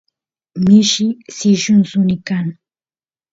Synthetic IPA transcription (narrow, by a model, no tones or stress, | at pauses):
mɪʃisɪʃʊnsʊnɪkaŋ